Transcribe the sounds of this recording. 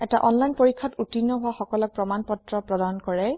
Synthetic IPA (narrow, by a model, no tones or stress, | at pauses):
ɛtaʔɔnlajnpoɹikʰːɔtutinːɔɦʊwaxɔkɔlɔk̚pɹɔmanpɔtɹɔpɹɔdankɔɹɛ